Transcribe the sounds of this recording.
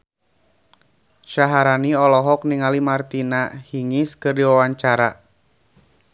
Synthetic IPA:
ʃaɦaɾaniɔlɔɦɔk̚niŋalimart̪inahiŋɪskɨrdiwawaɲt͡ʃaɾa

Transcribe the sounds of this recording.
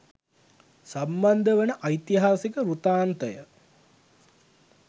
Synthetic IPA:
samband̪əʋənəʔɐjt̪iɦaːsikəɾut̪aːnt̪əjə

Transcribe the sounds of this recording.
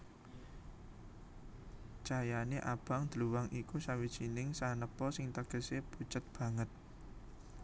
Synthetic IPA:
t͡ʃajaneʔab̥a̤ŋd̪̥əluwaŋʔikusawid̥ʒ̥inɪŋsanəpɔsɪŋt̪əɡ̥ə̤seput͡ʃət̪̚b̥a̤ŋət̪̚

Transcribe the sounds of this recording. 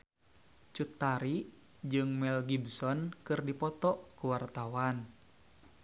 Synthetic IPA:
t͡ʃut̪ːaɾi | d͡ʒɨŋmɛlɡibsɔnkɨrdipɔt̪ɔʔkuwart̪awan

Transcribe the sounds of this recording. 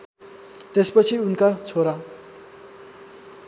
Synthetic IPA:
t̪espʌt͡sʰiunkat͡sʰoɾa

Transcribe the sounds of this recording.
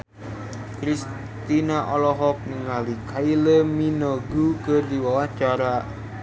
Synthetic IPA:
kɾis | t̪inaʔɔlɔɦɔk̚niŋalikailəminɔɡukərd̪iwawaht͡ʃaɾa

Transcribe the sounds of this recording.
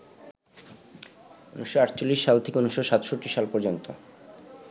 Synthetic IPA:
unuʃːoaʈt͡ɕolːiʃːalt̪ʰekeunuʃːoʃat̪ʃoʈːiʃalpɔɾd͡ʑont̪o

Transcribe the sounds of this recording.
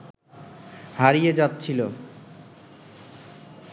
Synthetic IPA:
haɾijed͡ʑatːɕʰilo

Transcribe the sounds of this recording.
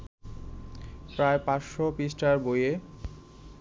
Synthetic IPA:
pɾaepãʃopisʈaɾboje

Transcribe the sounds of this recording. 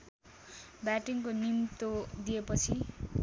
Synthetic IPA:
baʈiŋkonimt̪od̪ijepʌt͡sʰi

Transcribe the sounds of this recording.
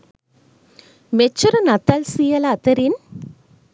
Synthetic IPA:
met͡ʃːɐɾɐnɐt̪ːalsijɐlaːt̪ɐɾin

